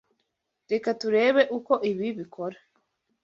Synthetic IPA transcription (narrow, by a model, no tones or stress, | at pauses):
ɾekatuɾe̞ːβe̞ʔuko̞ʔiβiβikʰoɾa